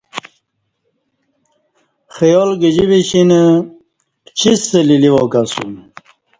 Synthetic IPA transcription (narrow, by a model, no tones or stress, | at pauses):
xəjolɡəd͡ʑibiɕinə | t͡ɕʰisːəliliwokasṵn